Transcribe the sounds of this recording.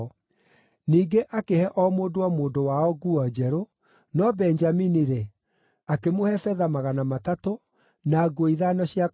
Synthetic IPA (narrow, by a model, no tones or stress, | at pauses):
niːɡeʔakehɛʔɔmoːdowamoːdowaɔɡuɔd͡ʒɛɾo | nɔbɛnd͡ʒaminiɾe | akemohɛfɛðamaɣanamatato | naɡoiðanɔɕija